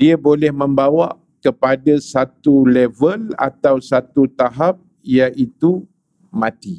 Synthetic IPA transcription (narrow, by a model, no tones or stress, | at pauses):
diabolɛhmə̃mbawaʔ | kəpadasat̪ulɛvəla̰t̪awsat̪ut̪aɦap̚ | ijaʔit̪u | mãt̪i